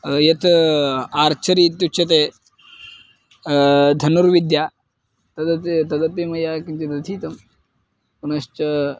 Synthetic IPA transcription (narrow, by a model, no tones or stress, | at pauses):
jɐt̪ | aɾt͡ʃʰɐɾiːt̪ut͡ʃʰɐt̪̬e | d̪ʱɐnuɾʋid̪ja | t̪ɐd̪ɐt̪et̪ɐd̪ɐt̪emɐjakint͡ʃed̪ɐt̪ʰiːt̪ɐm | kunɐɕt͡ʃɐ